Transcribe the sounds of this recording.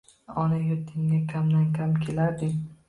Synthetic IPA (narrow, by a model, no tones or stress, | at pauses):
ɒnajot̪ʰːɪŋɡakʲʰamd̪ankʲʰamkʲʰelaɾd̪ɪ